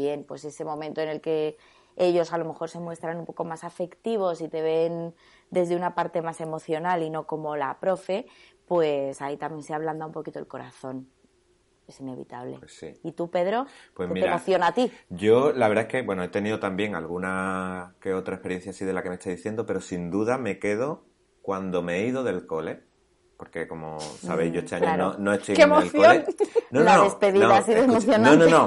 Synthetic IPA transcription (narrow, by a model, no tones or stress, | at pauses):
je̞npwe̞se̞se̞mõ̞mẽnt̪oene̞lke̞ | e̞ʝo̞salo̞me̞xo̞ɾse̞mwest̪ɾanũmpo̞ko̞masafe̞kt̪iβ̞o̞sit̪e̞β̞e̞n | d̪e̞zðe̞unapaɾt̪e̞mase̞mo̞θjo̞nalino̞ko̞mo̞lapɾo̞fe̞ | pwe̞sait̪amjenseaβland̪aumpo̞kit̪oe̞lko̞ɾa̰θo̞n | e̞sine̞βḭt̪aβlḛesḭit̪upe̞ðɾo̞pweemieɾamoθjo̞nat̪iɟ͡ʝo̞laβeɾðaeske̞bwe̞noe̞t̪e̞niðot̪ambje̞ŋalɣunakeot̪ɾaehpe̞ɾjen̟θjasiðe̞lake̞mest̪aðiθje̞nd̪ope̞ɾo̞sind̪uðame̞ke̞ðo̞ | kwand̪o̞meeiðo̞ðe̞lko̞le̞ | po̞ɾke̞ko̞mo̰sa̰βejzʝo̞et̪eaɲanonoest̪ojkemoelkθjoolennõnoanðespe̞ðinoðas̬iðoemoθjonãnono